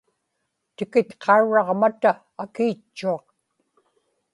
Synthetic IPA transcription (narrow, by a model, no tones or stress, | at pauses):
t̪ɪkɪt̪qʰɑuɻɑʁmat̪aː | kiːt͡ʃːuɑq